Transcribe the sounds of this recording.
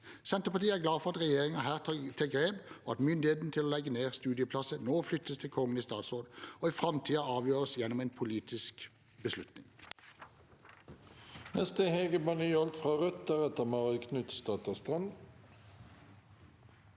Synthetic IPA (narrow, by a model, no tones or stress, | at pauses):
sɛnt̪əʁpɑt̪ʰiːəæʁɡlɑːfɔʁɑt̪ʁɛjeːʁɪŋɑɦæːʁt̪ʰt̪ʰɛɡʁeːbɔɑt̪mʏnd̪ɪheːt̪n̩t̪ʰɪloːlɛɡːəneːʁst̪ʉːd̪ɪəpʰlɑsənoːflʏt̪ːəst̪ʰɪlkʰɔŋːəniːst̪ɑːt̪sʁoːd̪ɔiːfʁɑmt̪ʰiːɑɑːʋjøːʁəsjɛnːɔmeːnpʰʊliːt̪ɪsk | bəslʉt̪nɪ̰ŋ | nɛst̪əheːɡəbɑnyːɔlt̪fʁɑːʁœt̪əʁɛt̪əmɑʁɪkʰnʉt̪st̪ɑːt̪əst̪ʁɑnd̪